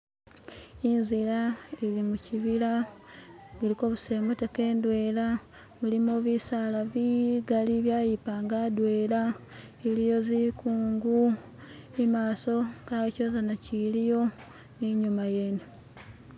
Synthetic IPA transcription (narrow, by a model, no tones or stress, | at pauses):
inzilailimuciβila | βuliko̞ːβuse̞ːmuteke̞ːndwe̞ːla | mulimoːβisalaβiɡaliβjaːjipaːŋɡadwe̞ːla | ilijo̞zikuːŋɡu | imaːso̞kaco̞zanacilijo̞ | niɲumaje̞ːno